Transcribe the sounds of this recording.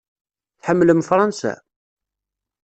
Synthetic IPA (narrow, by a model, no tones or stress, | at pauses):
θħəmːləmfɾˤɑnsæ̰